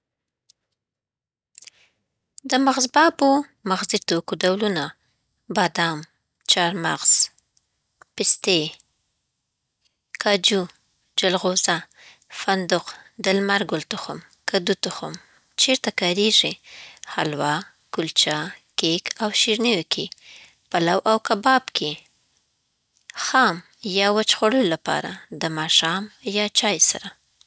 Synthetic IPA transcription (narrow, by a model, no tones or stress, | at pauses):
d̪əmaɣzbɑbomaɣzit̪okoɖawluna | bɑd̪ɑm | t͡ʃɑɾmaɣz̥ | pɪst̪e | kʰɑd͡ʒu | d͡ʒalɣoza | fand̪ʊqd̪ɪlmaɾɡʊlt̪ʊxʊ̰m | kad̪ut̪ʊxʊm | t͡ʃeɾt̪akɑɾeʐihalwɑ | kʊlt͡ʃakekʰawʃiɾniwkʰe | palawʔawkabɑbkʰe | xɑm | jɑwat͡ʃxoɽəjolapɑ̰ɾa̰d̪əmɑʃɑmjɑt͡ʃɑjsa̰ɾa